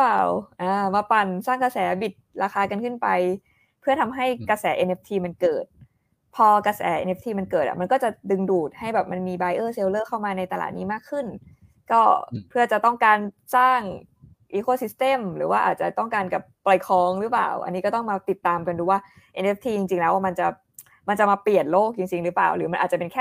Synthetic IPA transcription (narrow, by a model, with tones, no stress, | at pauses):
paː˨˩wʔaː˧˩ma˧˩pa˧nsaː˥˩ŋka˧sɛː˩˦bi˨˩t̪̚ɾaː˧xaː˧ka˧nkʰɯ˥˩npa˧j | pʰɯ˥˩ɐt̪ʰa˧mɦa˥˩jkɾa˧sɛː˩˦ʔe˧nʔe˦˥p̚t̪ʰiː˧ma˧nkɤː˨˩t̪̚ | pʰɔː˧kɾa˧sɛ̰ː˩˦ʔḛ˧nʔe˦˥p̚t̪ʰiː˧ma˧nkɤː˨˩ʔa̰˨˩ma˧nkɔː˥˩t͡ɕa˨˩dɯ˧ŋduː˨˩t̪̚ha˥˩jbɛː˨˩p̚ma˧nmiː˧baː˧jʔɤː˥˩se˧wlɤː˥˩kʰa˥˩wmaː˧na˧jt̪a˧la̰ː˨˩t̪̚niː˦˥maː˥˩kʰːɯ˥˩n | kɔː˥˩pʰɯ˥˩ɐt͡ɕa˨˩t̪ɔ˥˩ŋkaː˧n | t͡ɕaː˥˩ŋ | ʔiː˦˧˥koː˧˥˩si˨˦˥st̪e˧˩mɾɯ̰ː˩˦waː˥˩ʔa̰ː˨˩t̪̚t͡ɕa˨˩t̪ɔ˥˩ŋkaː˧nka˨˩p̚pla˧jkʰɔː˧ŋɾɯ˦˥pla̰ː˨˩wʔa̰˧nːiː˦˥kɔː˥˩t̪ɔ˥˩ŋmaː˧t̪i˨˩t̪ːaː˧mka˧nduː˧waː˥˩ | ʔe˧nʔe˦˥p̚t̪ʰiː˧t͡ɕi˧ŋt͡ɕi˧ŋlɛː˦˥wa˧˩ma˧nt͡ɕa˨˩ | ma˧nt͡ɕa˨˩maː˧pli˨˩ət̪̚loː˥˩k̚t͡ɕi˧ŋt͡ɕi˧ŋɾɯ˦˥pla̰ː˨˩wɾɯː˩˦a˧nʔaː˨˩t̚t͡ɕa˨˩pe˧nkʰɛː˥˩